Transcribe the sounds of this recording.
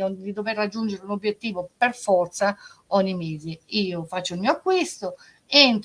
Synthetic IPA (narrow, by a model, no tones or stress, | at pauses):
od̪id̪overːad͡ʒːund͡ʒeɾunobːjet̪ːiːvoperfɔrt̪saɔɲːimeːziiːofat͡ʃːoilmiːoakːwist̪o | ent̪